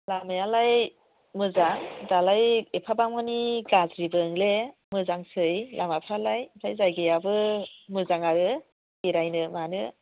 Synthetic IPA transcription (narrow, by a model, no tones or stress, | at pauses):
lamejalaj | mɯzaŋdalajepʰabamɯniɡazɾibɯŋlemɯzaŋsɯjlʔamapʰalajtʰajzajɡejabɯmɯzaŋaɾɯ | iɾajnɯmanɯ